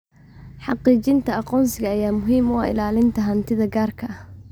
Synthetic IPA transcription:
ħɑqiːt͡ʃɪnt̪ʰɐɑqɔːnsɪɣɐːjaːmʊɦiːmʊa̰ʔɪ̰laːlɪnt̪ʰɐɦɐnt̪ʰɪðɐɡaːrkʰɐʔɐh

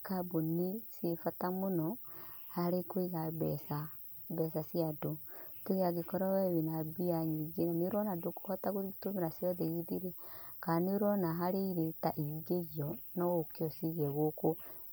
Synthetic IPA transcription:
kabonisifatamonɔhaɾekoiɣaβɛsa | bɛsasiadotoɣiaɣekɔɾɔwɛwenabiaɲiɡenaneoɾɔnadokohɔtaɣotomeɾasjɔðɛiðiɾekaneoɾɔnaɦaɾeiɾetaʔiɡeɣiɔnɔkeɔsiɣɛɣoko

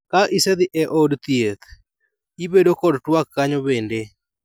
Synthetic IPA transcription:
kaʔisɛd̪ɪʔɛʔɔdt̪jet̪ | ibedokɔdtwakːaɲɔbende

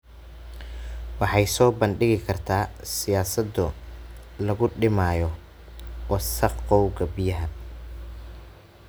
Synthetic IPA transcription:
wɑħɑjsɔːbɐnɖɪɣɪkʰɐrt̪ʰaːsɪjaːsɐd̪ʊ | lɐɣʊɖɪmaːjɔ | wɑsɐqqɔwɡɐbɪjɐɦɐ

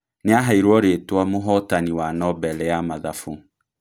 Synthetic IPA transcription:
neaɦaiɾwɔɾetwamoɦɔtaniwanɔbɛlɛjamaðafo

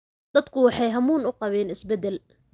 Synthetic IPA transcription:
d̪̥ɐd̪kʰʊwɑħɑjɦɐmuːnʊqɑβɛːnɪsbɛd̪ɛl

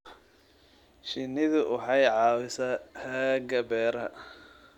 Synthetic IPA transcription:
ʃɪnɪðʊʔʊħɑjʕɑːwɪsɐhɐːɡɐbɛːɾɐ̰

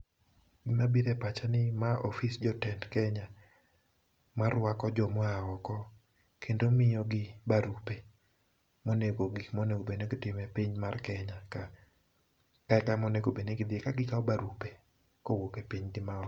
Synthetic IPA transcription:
ɡimabiɾɛpat͡ʃanɪmaʔɔfisd͡ʒɔtɛndkɛɲa | maɾwakɔd͡ʒɔmɔaɔkɔ | kʰendomɪjɔɡɪbaɾupe | moneɡoɡɪmoneɡobeneɡɪtɪmɛpiɲmarkɛɲaka | kaɛkamoneɡobeneɡɪd̪ekaɡɪkaɔbaɾupe | kowokepiɲɡɪmaɔ

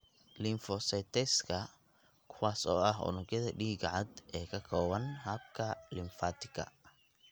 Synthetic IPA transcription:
lɪmfɔsɛt̪ʰɛskʰɐ | kʰʊwaːsɔ̰ːɐɦʊ̰nʊɡjɐðɐɖiːɡɐʕɑd̪ɛːkʰɐkʰɔːwɐnhɐb̚kʰɐlɪmfaːt̪ʰɪ̥ɡʰɐ̰

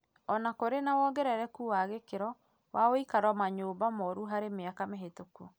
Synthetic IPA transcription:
ɔnakoɾenawɔɡɛɾɛɾɛkuwaɣekeɾɔ | wʔaoikaɾwamaɲoːmbamɔɾuɦaɾemeakameɦetoko

